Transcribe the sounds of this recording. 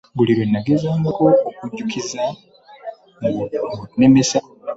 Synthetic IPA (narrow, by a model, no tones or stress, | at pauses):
buliɾwenːaɡezaːŋukoːkuɟukʰiza | mnemesa